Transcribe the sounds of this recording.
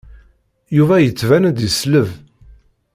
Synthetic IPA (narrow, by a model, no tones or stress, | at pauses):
juvæjət͡sːvænæd̪jəsləv